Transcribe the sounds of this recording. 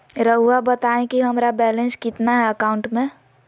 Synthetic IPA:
ɾəɦuabət̪aẽkiɦəmɾabɛlẽnskɪt̪naɦɛəkaʊ̃ɳʈmẽ

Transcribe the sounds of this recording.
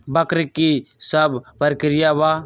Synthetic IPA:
bəkɾikisəbbəɾkɾɪjaːʋaː

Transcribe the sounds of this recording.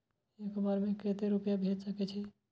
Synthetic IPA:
jekebaɾemẽket̪eɾupjabʱed͡ʒsəkɛt͡ʃʰɛ

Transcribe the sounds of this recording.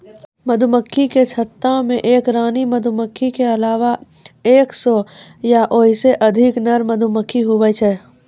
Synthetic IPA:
məd̪ʱuməkʰːiket͡ʃʰɐt̪ːamẽʔeːkɾaːnimɐd̪ʱuməkʰːikeɐlaːʋa | eːksɔ | jaʔoɦiseʔɐd̪ʱɪknɐɾməd̪ʱuməkʰːiɦʊwət͡ʃʰɛː

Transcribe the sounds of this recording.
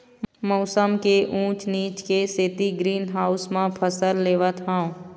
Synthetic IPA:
mɔʊsəmkeʔũːt͡ʃniːt͡ʃkeseːt̪iɡɾiːnɦaːʊsmãpʰəsəɾleːʋət̪ɦãõ

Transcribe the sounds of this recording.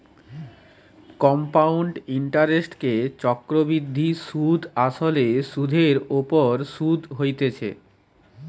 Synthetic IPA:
kɔmpawɳɖiɳʈaɾesʈket͡ɕɔkɾobid̪ʱːiʃud̪ʱaʃoleʃud̪ʱeɾopoɾʃud̪ʱɦojt̪et͡ɕʰḛ

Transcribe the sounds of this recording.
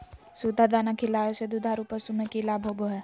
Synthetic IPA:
suːd̪ad̪anakʰilaːjosed̪ud̪ʱaɾupəɾsumekilaːbʱoboɦɛ

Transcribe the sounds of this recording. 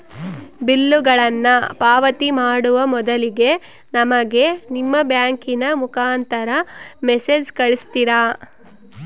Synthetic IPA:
bilːuɡɐɭɐnːɐpaːʋɐt̪imaːɽuʋɐmɔd̪ɐliɡe̞ | nɐmɐɡe̞nimːɐbjaːŋkinɐmukʰaːnt̪ɐɾɐmesed͡ʒkɐɭist̪iɾaː

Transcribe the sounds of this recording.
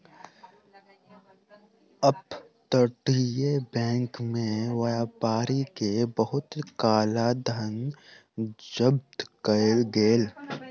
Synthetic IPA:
əp | t̪əʈiebɛ̃ːŋkmẽwɐaːpaːɾikebəɦʊt̪kaːlad̪ʱən | d͡ʒəb̚t̪kəlɡeːl

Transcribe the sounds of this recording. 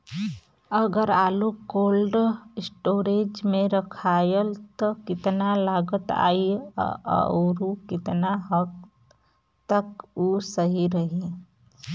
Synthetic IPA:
əɡəɾaːlukoːlɖɪsʈoːɾeːd͡ʒmẽɾəkʰaːjəlt̪ɔkɪt̪nalaːɡət̪a̰ːḭ | ɾukɪt̪naɦəɡ̚ | t̪əkuːsəɦiɾəɦi

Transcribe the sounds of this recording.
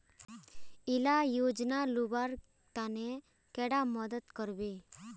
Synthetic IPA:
ilajoːd͡ʒnalubaɾ | t̪ane | kɛɽaməd̪ət̪kəɾbe

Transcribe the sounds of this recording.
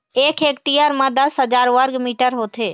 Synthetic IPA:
eːkʰeːk̚ʈijəɾmãd̪əsɦəd͡ʒaːɾʋəɾɡmiːʈəɾɦoːt̪ʰeː

